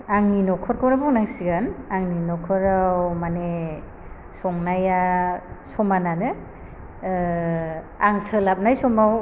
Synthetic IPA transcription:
aŋninɔkʰɔɾkʰɔwɾabɔŋnaŋsiɡanaŋninɔkʰɔɾawmane | sɔŋnajasɔmananɯ | aŋsɯlap̚najsɔmaw

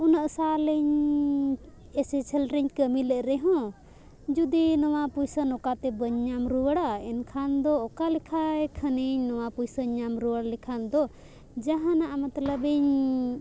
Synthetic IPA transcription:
unaʔsalɛɲ | ɛsɛt͡ʃʰəlɾɛɲkəmilɛʔɾɛɦɔ̃ | d͡ʒud̪inɔwapujsənɔkat̪ɛbəɲːamɾuwəɽaɛnkʰand̪ɔːkalɛkʰaɛkʰəniɲnɔwapujsəɲːamɾuwəɽlɛkʰand̪ɔ | d͡ʒaɦãnaʔamat̪ləbɛɲ

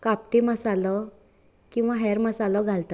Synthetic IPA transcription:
kap̚ʈiməsalɔ | kĩw̃ʋaɦɛɾməsalɔɡʱalt̪a

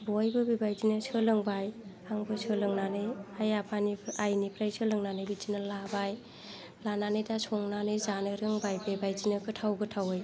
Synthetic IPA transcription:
bɔjbɯbibajzinɯsɯlɯŋbaj | aŋbɯsʰɯlɯŋnanɯjajapʰaniajnipɾajsʰɯlɯŋnanɯjbid͡ʒinɯlabaj | lananɯjdasʰɔŋnanɯjzanɯɾɯŋbajbebajzinɯkɯtʰawɡɯtʰawɯj

